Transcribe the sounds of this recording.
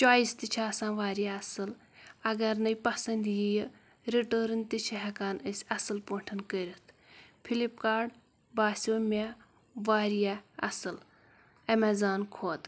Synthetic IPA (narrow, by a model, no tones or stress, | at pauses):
t͡ʃaːist̪it͡ʃʰaːsãːʋaːɾijaɐsɨl | ɐɡɐɾnɐjpɐsɐnd̪jij | ɾiʈəːɾɨnt̪it͡ʃʰiɦɐkaːnəsʲɐsɨlpəɳʈʰɐnkəɾʲit̪ʰ | pʰilipkaːɾɖ | baːsʲoːme | ʋaːɾijaɐ̰sɨl | ɐmɐzaːnkʰoːt̪